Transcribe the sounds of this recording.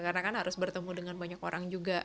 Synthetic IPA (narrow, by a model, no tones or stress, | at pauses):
karnakanɦaɾʊsbərt̪əmudəŋanbaɲakoɾʔaŋd͡ʒuɡa